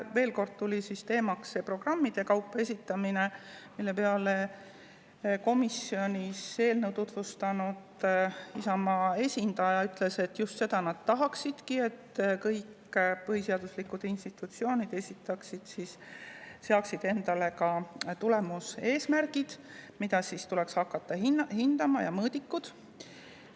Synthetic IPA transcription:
ve̞ːlko̞rd̪̥̚t̪ulʲisist̪e̞ːmɑkssepro̞ɡ̥rɑmːid̪̥e̞kɑwpːˑe̞sʲit̪ːˑɑmine̞milːe̞peɑle | ko̞misːio̞nʲise̞ːlnewt̪ut̪vust̪ɑnud̪isɑmɑːe̞sʲind̪̥ɑjɑyt̪ˑle̞se̞t̪ːjust̪se̞d̪̥ɑnɑd̪̥̚t̪ɑɦɑksid̪̥kie̞t̪ːkɤjk | pɤɦiseɑd̪̥uslikːud̪̥inst̪it̪ːˑut̪sio̞ːnid̪e̞sʲit̪ːˑɑksid̪̥sis | seɑksid̪̥e̞nd̪̥ɑle̞kɑt̪ule̞muse̞ːsmærɡid̪̥ | mid̪̥ɑsist̪ulɛ̞kshɑkːɑt̪ːɑhihind̪̥ɑmɑjɑmɤːd̪̥ikːud̪̥

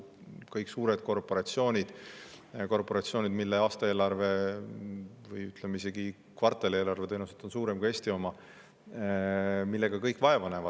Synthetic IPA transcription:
kɤjksuːɾe̞d̪̥ko̞rpo̞ɾɑt̪sio̞ːnʲid̪̥ | ko̞rpo̞ɾɑt̪sio̞ːnʲid̪milːeɑːst̪ɑe̞ːlɑrve̞ | vɯjyt̪ˑlemeise̞ɡi | kvɑrt̪ːˑeleːlɑrve̞t̪ejnuset̪ːo̞nsuːɾe̞mɡɑe̞ːsʲt̪io̞mɑ | milːe̞ɡ̥ɑkɤjkːvɑe̞vɑne̞vɑ̥

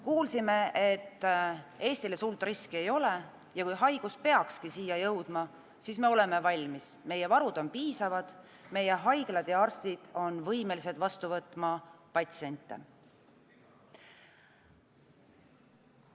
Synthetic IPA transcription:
kuːlsime̞et̪ːe̞ːst̪ile̞sult̪ːˑriskie̞jo̞le̞ | jɑkujɦɑjɡ̥uspe̞ɑkskisiːjːɑjɤwd̪̥mɑ | siːsme̞o̞le̞me̞vɑlʲmisme̞jevɑɾud̪̥o̞npiːsɑvɑd̪̥ | me̞je̞ɦɑjɡ̥lɑd̪̥jɑɑrst̪id̪̥o̞nvɤjme̞lised̪̥vɑst̪uvɤt̪ːˑmɑpɑt̪sie̞nʲt̪ːˑe̞̰

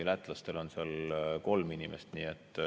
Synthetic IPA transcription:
læt̪ːˑlɑst̪e̞lo̞nseɑlko̞lminimest̪niːet̪ːˑ

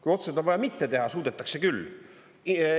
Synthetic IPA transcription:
kujo̞t̪sed̪o̞nvɑjɑmit̪ːe̞t̪e̞ɦɑsuːd̪̥et̪ːˑɑkse̞kylː

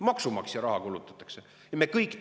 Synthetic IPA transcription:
mɑksumɑksjɑɾɑhɑkulut̪ːˑɑ̥t̪ːˑɑ̥kse | jɑmekɤjkˑː

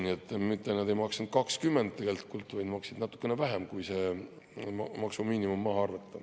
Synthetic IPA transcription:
niet̪ˑːmit̪ːˑenɑd̪e̞jmɑksnud̥̪̚kɑkskymːend̪̚t̪ːeɡ̥e̞lt̪i̥kult̪ːˑvɑjd̪mɑksid̪nɑt̪ːˑu̥kːe̞nevæɦemkujse | mɑksumiːnimumːɑɦɑɑrvɑt̪ːˑɑ̥

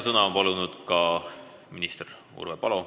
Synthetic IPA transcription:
sɤnɑompɑlunud̪̥kɑ | minist̪er | ṵrvepɑlo̞

